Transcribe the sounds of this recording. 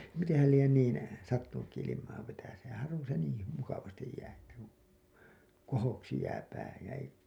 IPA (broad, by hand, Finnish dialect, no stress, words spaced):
mitẽːhæl lien niːn sɑtːunukːi ilimˑɑː ʋetæseːn̞ hɑrʋon̞ se niːi hy mukɑʋɑstij jæː etːæ kun̥ kohoksi jæː pæː jæ ei